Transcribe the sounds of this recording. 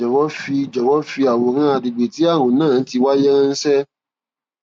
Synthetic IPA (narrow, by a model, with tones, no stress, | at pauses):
ɔ˨wɔ˨˦fi˧d͡ʒɔ˨wɔ˦fi˧a˨wo˨ɾ̃ã˦a˧di˨ɡ͡be˨ti˨˦ã˦˨ũ˨nãː˦˨n̩˦ti˧wa˦je˦ɾã˦n̩˦sɛ˦